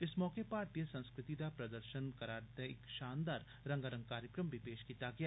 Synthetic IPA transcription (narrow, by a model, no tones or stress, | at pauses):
ɪsmɔːkepaːɾt̪ijəsə̃nskɾɪt̪id̪apɾɐd̪əɾʃənkɐɾaːɾd̪eɪkʃaːnd̪aːɾ | ɾɐ̃ŋɡaɾə̃ŋɡ̚kaːɾjəkɾəmbʱipeːʃkiːt̪aɡəjaː